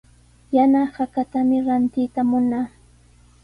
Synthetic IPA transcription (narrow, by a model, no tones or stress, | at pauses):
janahakat̪amɪɾant̪ɪt̪amʊnaː